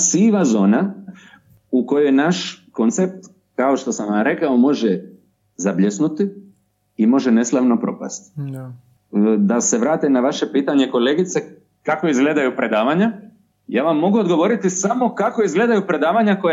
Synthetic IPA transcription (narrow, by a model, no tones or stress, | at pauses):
siʋazo̞ːna | uko̞jojnaʃko̞nt̪se̞p̚t̪ | kao̞ʃt̪o̞samaɾe̞kaomo̞ʒe | zabʎesnut̪i | imo̞ʒene̞slˠaʋno̞pɾo̞̰pa̰st̪ | d̪ase̞ʋɾaːt̪enaʋaʃe̞piːt̪aɲe̞ko̞leːɡit̪se | kako̞izɡle̞ːd̪ajupɾe̞d̪aːʋaɲa | jaːʋamːo̞ɡuod̪ɡo̞ʋo̞ɾit̪isamo̞kako̞izɡle̞ːd̪ajupɾe̞d̪aːʋaɲakoj